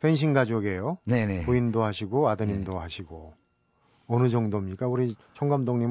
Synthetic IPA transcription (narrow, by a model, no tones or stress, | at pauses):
penɕ̬ʰinɡad͡ʑoɡe̞joneneoindoɦaɕʰiɡoadɯɲindoɦaɕʰiɡo | ʌnɯd͡ʑʌŋdomɲik͈auɾit͡ɕʰʌŋɡamdoŋɲim